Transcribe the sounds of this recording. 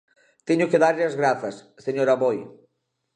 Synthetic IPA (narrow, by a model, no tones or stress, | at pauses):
t̪eɲʊkeðaɾʎɪɐzɣɾaθɐsːeɲoɾɐβoj